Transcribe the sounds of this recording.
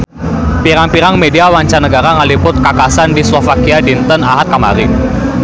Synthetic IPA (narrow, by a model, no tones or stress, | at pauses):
piɾaŋpiɾaŋmediawaɲt͡ʃanəɡaɾaŋalipʊt̪̚kakasandislɔfakiadint̪ənaɦat̪̚kamaɾɪŋ